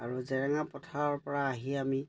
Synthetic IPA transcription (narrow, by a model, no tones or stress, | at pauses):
aɹuzɛɹaŋapɔtʰaɹpɔɹaːɦiami